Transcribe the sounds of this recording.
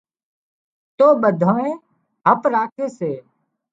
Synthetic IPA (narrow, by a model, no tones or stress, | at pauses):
t̪oːɓəd̪ʱoːẽː | ɦəpɾaːkʰeːseː